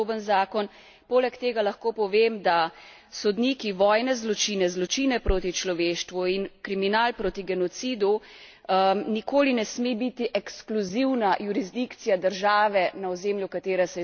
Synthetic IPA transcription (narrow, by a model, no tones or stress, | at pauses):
bənzaːkɔn | poːlɛkt̪eːɡalaxkoːpɔʋeːmd̪a | sɔd̪niːkiʋɔːjnɛzlɔt͡ʃiːnɛzlɔt͡ʃiːnɛpɾoːt̪it͡ʃlɔʋeːʃt̪ʋuinkɾiminaːlpɾoːt̪iɡɛnɔt̪siːd̪u | nikoːlinɛsmebit̪iʔɛkskluziwnajuɾizd̪ikt̪sijad̪əɾʒaːʋɛnaɔzeːmljukat̪eːɾɛsɛ